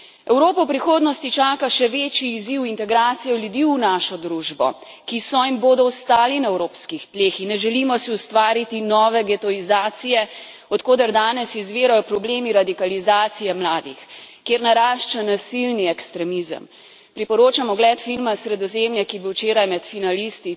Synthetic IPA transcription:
ɛwɾoːpɔwpɾixoːd̪nɔst̪it͡ʃaːkaʃɛʋeːt͡ʃiːziwint̪ɛɡɾaːt̪sijɔlʲjud̪iːunaːʃɔd̪ɾuʒbɔ̰ | kisɔimboːd̪ɔɔst̪aːlinaɛwɾoːpskixt̪leːxinːɛʒɛlimɔsiust̪ʋaːɾit̪inɔːʋɛɡɛt̪ɔizaːt̪sijɛ | ɔt̪koːd̪aɾd̪aːnɛsizʋeːɾajɔpɾɔbleːmiɾad̪ikalizaːt̪sijɛmlaːd̪ḭxkeːɾnaɾaːʃt͡ʃanasilniɛkst̪ɾɛmizə̰m | pɾipɔɾoːt͡ʃamɔɡlɛːt̪filmasɾɛd̪ɔzemjɛkibiwt͡ʃeːɾajmɛt̪finalist̪i

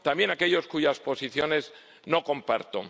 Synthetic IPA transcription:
t̪ambje̞nake̞ʎo̞skuʝaspo̞siθjo̞ne̞z | no̞ko̞mpa̰ɾt̪o̰

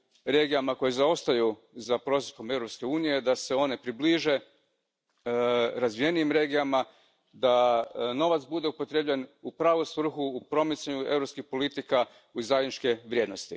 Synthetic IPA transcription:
ɾe̞ːɡijamako̞jezao̞st̪aju | zapɾo̞sespo̞me̞vɾo̞pske̞uːnije̞d̪ase̞o̞ne̞pɾibliʒe̞ | ɾazʋije̞niimɾe̞ɡijama | d̪ano̞ʋat̪sbud̪e̞upo̞t̪ɾebʎenupɾaːʋusʋr̩xuːpɾo̞mit̪saɲue̞̰vɾopskixpo̞lit̪ika | uzajd̪nit͡ʃke̞ʋɾje̞ːd̪nost̪ḭ

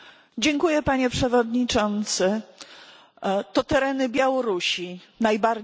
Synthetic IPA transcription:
d͡ʑɛŋkujɛpaɲɛpʂɛvɔd̪ɲit͡ʂɔnt̪sɘ | t̪ɔt̪ɛɾɛnɘbʲjawɔɾuɕi | najbaɾ

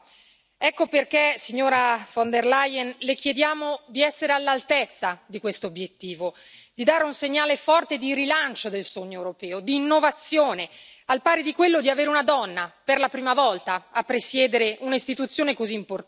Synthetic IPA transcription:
ɛkːoperk̟esiɲːoːɾafond̪erlajɛnlekjed̪jaːmod̪iɛsːeɾealːalt̪et̪sːad̪ikwest̪oobjet̪ːiːvo | d̪id̪aːɾeunseɲːaːlefɔrt̪ed̪iɾilant͡ʃod̪elsoɲːoewɾopɛːod̪iːnːovat̪sːjoːne | alpaːɾed̪ikwelːod̪iaveːɾeunad̪ɔnːaperlapɾiːmavɔlt̪aːpːɾesjɛːd̪eɾeʔunaist̪it̪ut̪sːjoːnekoziːmpor

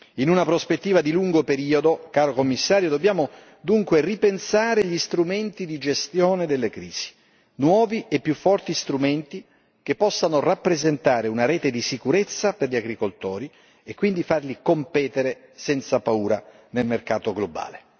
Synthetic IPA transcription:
inunapɾospet̪ːiːvad̪iluŋɡopeɾiːod̪okaːɾokomːisːaːɾjod̪obːjaːmo | d̪uŋkweripensaːɾeʎist̪ɾument̪id̪id͡ʒest̪jɔːned̪elːekɾiːz̥i̥ | nwɔːviʔepːjufːɔrt̪ist̪ɾument̪i | k̟epːɔsːanorapːɾezent̪aːɾeunaɾɛːt̪ed̪isikuɾet̪sːaperʎiaɡɾikolt̪ɔːɾi | ekːwind̪ifarlikompɛːt̪eɾe | sɛnt̪sapauːɾa | nelmerkaːt̪oɡloba̰ːle

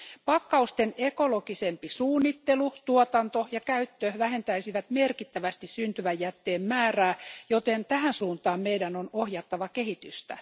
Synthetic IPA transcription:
pɑkːɑust̪enekolokisempisuːnːit̪ːelut̪uot̪ɑnt̪ojɑkæyt̪ːøʋæhe̞nt̪æisiʋæt̪merkit̪ːæʋæst̪issynt̪yʋæjːæt̪ːeːmmæːræːjot̪ent̪æɦænsuːnt̪ɑːmmeidænonohjɑt̪ːɑʋɑkehit̪yst̪æ̰

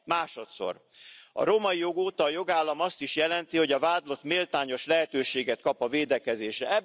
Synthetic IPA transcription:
maːʃo̞t̪so̞̰r | ɒ̰ɾo̞mɒijo̞ɡoːt̪ɒːjo̞ɡaːlːɒmɒst̪iʃjɛlɛnt̪iho̞ɟɒvaːd̪lo̞t̪meːlt̪aːɲo̞ʃlɛɦɛt̪øːʃeːɡɛt̪̚kɒpɒveːd̪ɛkɛzeːʃrɛɛ

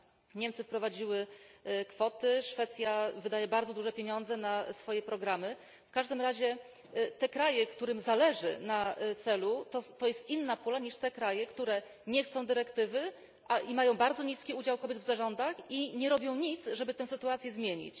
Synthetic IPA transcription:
ɲɛmt̪sɘfpɾɔvad͡ʑiwɘkfɔt̪ɘʂfɛt̪sʲjavɘd̪ajɛbaɾd̪zɔd̪uʐɛpʲeɲɔnd̪zɛnasfɔjɛpɾɔɡɾamɘ | fkaʐd̪ɘmɾaʑɛ | t̪ɛkɾajɛkt̪uɾɘmzalɛʐɘ̰nat̪sɛlut̪ɔt̪ɔjɛst̪inːapulaɲiʂt̪ɛkɾajɛkt̪uɾɛ | ɲɛxt̪sɔ̃w̃d̪ɘɾɛkt̪ɘvɘ | ʔaimajɔ̃w̃baɾd̪zɔɲiskʲiud͡ʑawkɔbʲjɛd̪vzaʐɔnd̪axiɲɛɾɔbʲjɔ̃w̃ɲit̪sʐɛbɘt̪ɛw̃sɘt̪uat̪sʲjɛzmʲjeɲḭt͡ɕ

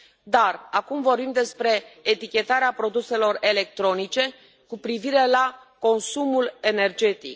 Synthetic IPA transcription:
d̪arakumvo̞rbimd̪e̞spɾe̞ːt̪ikʲe̞t̪aɾeapɾo̞d̪use̞lo̞re̞le̞k̚t̪ɾo̞nit͡ʃe̞ | kupɾiviɾe̞la | ko̞nsumule̞ne̞rd͡ʒe̞t̪ḭk

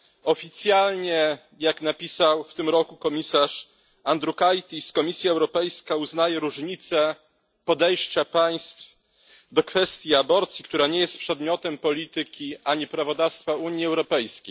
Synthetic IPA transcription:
ɔfʲit̪sʲjalɲɛ | jaknapʲisawft̪ɘmɾɔkukɔmʲisaʂ | and̪ɾukajt̪ʲiskɔmʲisʲjaɛwɾɔpɛjskauznajɛɾuʐɲit̪sɛ | pɔd̪ɛjɕt͡ɕapaj̃st̪f | d̪ɔkfɛst̪ʲjiabɔɾt̪sʲjikt̪uɾaɲɛjɛst̪̚pʂɛd̪mʲjɔt̪ɛmpɔlʲit̪ɘkʲiaɲipɾavɔd̪afst̪fauɲjiɛwɾɔpɛjskʲej

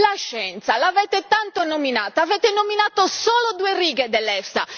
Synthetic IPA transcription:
laʃːɛnt̪salavɛːt̪et̪ant̪onominaːt̪aːvɛːt̪ɛnominaːt̪osɔːlod̪uːeriːɡɛd̪ɛlːɛfsa̰

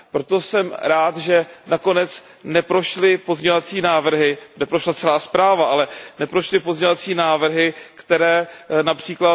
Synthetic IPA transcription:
pɾo̞t̪o̞sɛmɾaːt̪ʒɛnako̞nɛt͡s | nɛpɾo̞ʃlɪpo̞zɲɛovat͡siːnaːvr̩ɦɪnɛpɾoʃlat͡sɛlaːspɾaːvaʔalɛnɛpɾo̞ʃlɪpo̞zɲeovat͡siːnaːvr̩ɦɪkt̪ɛɾɛːnapr̝̥iːkla

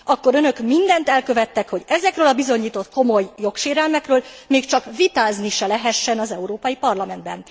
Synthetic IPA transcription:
ɒkːo̞ɾønø̞kmind̪ɛnt̪ɛlkø̞vɛt̪ːɛkho̞ɟɛzɛkrøːlɒbizo̞ɲːiːt̪o̞t̪̚ko̞mo̞jːo̞kʃeːɾɛlmɛkrøːl | meːkt͡ʃɒkvit̪aːzniʃɛlɛɦɛʃːɛnɒzɛuɾoːpɒjipɒrlɒmɛnd̪̚bɛ̰n

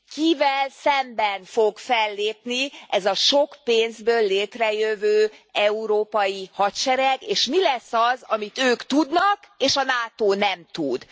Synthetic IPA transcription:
kivɛlsɛmbɛnfo̞ɡfɛlːeːpniʔɛzɒʃo̞kpeːnzbøːlːeːt̪rɛjøvøːɛuɾoːpɒjihɒt̪ʃɛɾɛɡeːʃmilɛsːɒzɒmit̪øːkt̪ud̪nɒkeːʃɒnaːt̪oːnɛmt̪ud̪

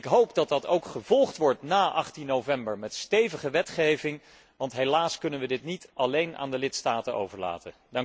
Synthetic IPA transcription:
kɦowpdɑt̚dɑtowkχəvɔlˠχtʋɔɹtnaːʔɑχtinːowvɛmbəɹmɛtstejvəχəʋɛtχejvɪŋ | ʋɑntɦejlaːskɵnənʋədɪtnitʔɑlejnʔa̰ːndəlɪtstaːtənʔo̰wvəɹla̰ːtə | dɑŋ

